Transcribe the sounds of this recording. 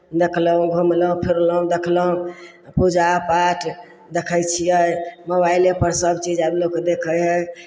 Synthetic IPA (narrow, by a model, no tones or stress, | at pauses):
d̪ekʰləɦũɡʱumləɦũpʰiɾləɦũd̪ekʰləɦũ | pud͡ʒapaʈʰ | d̪ekʰəjt͡ʃʰijəjməβailepəɾsəbt͡ʃid͡ʒabloked̪ekʰəjɦəj